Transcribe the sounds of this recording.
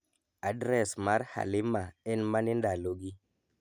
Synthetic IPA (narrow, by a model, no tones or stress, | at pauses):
adɾɛsmaɾha̰lɪmaɛnmanindaloɡi